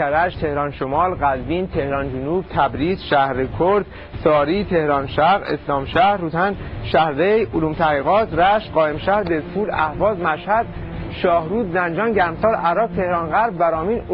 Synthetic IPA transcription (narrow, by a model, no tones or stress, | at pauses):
æɾæʃt̪ʰe̞hɾɒːnʃomɒːlɢæzbiːnt̪ʰe̞hɾɒːnd͡ʒonuːb̥t̪ʰæbɾiːzʃæhɾekʰoɾd̪̥ | sɒːɾiːt̪ʰe̞hɾɒːnʃæɣḛslɒːmʃæhɾut̪ʰænʃæhɾvejoluːmt̪ʰæhɣiːɣɒːt̪ʰɾæʃt̪ɢɒːjemʃæhɾd̪ezfuːlæhvɒːzmæʃhæd̪̥̚ | ʃɒːhɾuːd̪zænd͡ʒɒːnɟæɾmsɒːɾæɾɒːb̚t̪ʰe̞hɾɒːnɣæɾbːæɾɒːmiːn